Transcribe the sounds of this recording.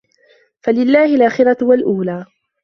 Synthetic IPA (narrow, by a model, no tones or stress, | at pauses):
falɪlːaːhɪlʔaːxɪɾawalʔuːlaː